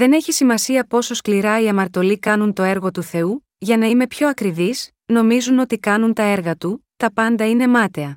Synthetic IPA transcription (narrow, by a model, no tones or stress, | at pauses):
ðe̞ne̞çisimɐsiɐpo̞so̞skliɾɐiɐmɐɾt̪o̞likɐnunt̪o̞e̞ɾɣo̞t̪uθe̞u | ʝɐnɐime̞pço̞ɐkɾivis | no̞mizuno̞t̪ikɐnunt̪ɐe̞ɾɣɐt̪ut̪ɐpɐnd̪ɐine̞mɐt̪e̞ɐ